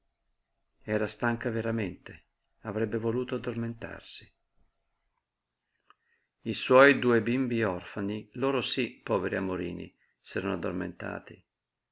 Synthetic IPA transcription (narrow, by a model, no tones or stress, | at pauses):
ɛːɾast̪aŋkaveɾament̪e | avɾɛbːevoluːt̪oad̪ːorment̪a̰rsi̥ | iswɔːjd̪uːebimbiɔrfaniloːɾosipːɔːveɾiamoɾḭːnḭ | sɛːɾanoad̪ːo̰rmḛnt̪a̰ːt̪i